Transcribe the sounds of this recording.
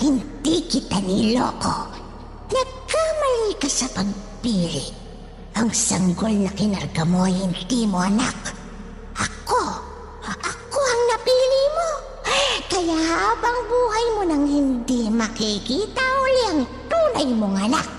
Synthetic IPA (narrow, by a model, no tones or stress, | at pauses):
hɪnd̪ikɪt̪aniːlo̰ɐko̞̰ | nɐɡ̚kamɐlikɐsɐpɐɡ̚piːlɪ | ʔɐŋsɐŋɡo̞lnɐkɪnɐɾɡɐmoɐjhɪnd̪imo̞ʔɐnak | ʔɐko | ʔɐkoɐŋnɐpiːlɪmo | kɐjahaːbɐŋbuːhɐjmo̞nɐŋhɪnd̪imɐkikiːt̪ɐʊlɛɐŋt̪uːnɐjmoŋɐna̰k̚